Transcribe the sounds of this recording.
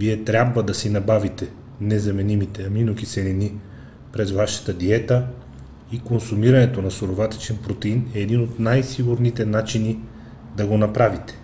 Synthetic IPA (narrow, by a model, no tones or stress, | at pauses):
viɛt̪ɾʲabvəd̪ɐsinɐbavit̪ɛ | nɛzɐmɛnimit̪ɛɐminokisɛɾini | pɾɛzvaʃɐ̥t̪əd̪iɛt̪ə | ikonsumiɾɐnɛt̪onɐsoɾovat̪ɛ̥t͡ʃɛnpɾot̪ɛinɛːd̪inot̪najsiɡuɾnit̪ɛnat͡ʃini | d̪ɐɡonɐpɾavit̪ɛ̥